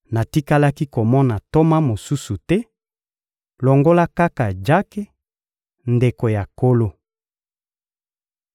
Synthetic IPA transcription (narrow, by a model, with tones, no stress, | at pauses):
na˨ti˦ka˦la˦ki˦ko˨mɔ˦na˨to˦ma˦mo˨su˦su˨tɛ˦ | lɔ˨ŋɡo˦la˦ka˦ka˨d͡ʒa˦ke˦ | nde˨ko˨ja˨ko˦lo˦